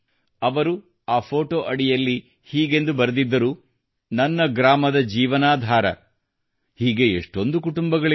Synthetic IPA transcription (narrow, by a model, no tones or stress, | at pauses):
ɐʋɐɾu | aːpʰo̞ːʈoːʔɐɽijɐlːi | hiːɡe̞nd̪ubɐɾɐd̪id̪ːɐɾuː | nɐnːɐɡɾaːmɐd̪ɐd͡ʒiːʋɐnaːd̪ʱaːɾɐ̰ | hiːɡe̞eʂʈo̞nd̪ukuʈumbɐɡɐɭ